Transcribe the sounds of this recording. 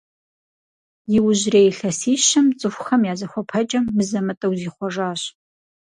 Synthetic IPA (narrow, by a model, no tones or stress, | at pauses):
jɪwʊʑreːjɬɐsiːʃɐmt͡sʼɨxʷxɐmjaːzɐxʷɔpʰɐt͡ʃʼɐmːɨzɐmɐtʼɐwziːχʷɔʐaːɕ